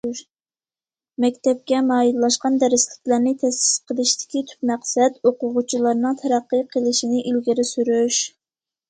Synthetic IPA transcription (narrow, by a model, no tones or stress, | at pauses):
mɛkʲt̪ʰɛp̚kʲɛmɑːjillˠɑʃqɑnd̪ɛɾɪslɪk̚ʲlæɾnɪt̪ʰɛsɪ̥sqʰəlˠɪʃt̪ɪ̥kʲit̪ʰy̥pmæqsɛd̪oqʊʁʊt͡ʃʰilˠɑɾnɨŋt̪ʰɛɾɑqːəjqʰəlˠɪʃinɪʔilɡʲiɾɪsyɾyʃ